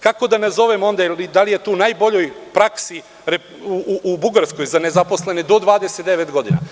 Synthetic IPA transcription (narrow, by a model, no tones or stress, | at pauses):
kako̞d̪anazo̞ʋemo̞nd̪ailid̪alije̞t̪uːnajbo̞ʎo̞jpɾaksi | ɾe | uuʔubuɡaɾsko̞jzane̞zapo̞slˠe̞ned̪o̞d̪ʋaːd̪eset̪d̪eʋet̪ɡo̞d̪ina̰